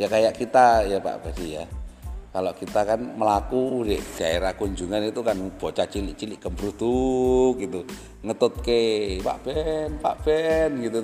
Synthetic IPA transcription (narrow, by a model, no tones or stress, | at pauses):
jakajaʔkit̪ajapa̰ʔb̥asijakaloʔkit̪akanməlakudɛʔd̥aeɾakuɲd͡ʒuŋanit̪ukanub̥ɔ̤t͡ʃat͡ʃilɪʔt͡ʃilɪʔkəmbɾud̪̥uk̚ɡit̪u | ŋət̪ʊt̪̚kepa̰ʔb̥ɛnpa̰ʔb̥ɛnɡit̪u